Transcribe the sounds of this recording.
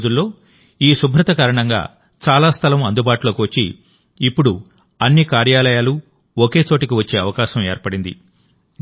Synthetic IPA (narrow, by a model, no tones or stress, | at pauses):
d͡ʒulːo̞ː | iːsubʱɾɐt̪ɐkaːɾɐɳɐŋɡa̰ː | t͡ʃaːlaːst̪ʰɐlɐmɐnd̪ubaːʈulo̞ːkiʋɐt͡ʃːḭː | pːuɽu | ɐnːikaːɾjaːlɐjaːlu | oke̞ːt͡ʃo̞ːʈɐkiʋɐt͡ʃːe̞ːɐʋɐkaːʃɐmḛːɾpɐɽind̪ḭ